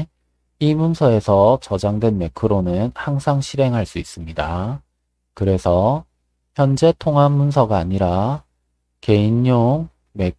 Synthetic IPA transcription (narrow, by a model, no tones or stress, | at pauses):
imunsʰʌe̞sʰʌt͡ɕʌd͡ʑaŋdwe̞nme̞kʰɯɾonɯnhaŋsʰaŋɕʰiɾe̞ŋɦaɭs͈uis͈ɯmɲida | kɯɾe̞sʰʌ | çjʌnd͡ʑe̞tʰoŋɦanːuns̬ʰʌɡaːɲiɾa | ke̞inːoŋ | me̞